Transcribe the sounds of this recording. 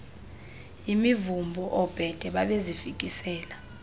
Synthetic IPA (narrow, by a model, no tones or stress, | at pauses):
imivumbʱɔʔɔb̥ʱɛd̥ʱɛɓaɓezifik̬ʼisɛːla